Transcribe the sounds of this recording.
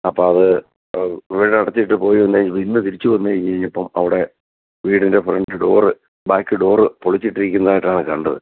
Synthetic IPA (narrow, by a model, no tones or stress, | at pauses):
ɐpːoːɐðɨ | ʋiːɽɐnɐɽɐt̪ːijʈːɨpo̞ːjuʋɐnd̪eiʋinːɨt̪iɾit͡ɕːuʋɐnːɨejiɲɐɻiɲːɐpːɐmɐ̰ʋiɽe̞ | ʋiːɽinde̞freɳɖɨɖo̞ːrɨ | baːkːɨɖo̞ːrɨpoɭit͡ɕːiʈːiɾikʲːunːɐðaːjiʈːaːɳɨkɐɳɖɐðɨ̰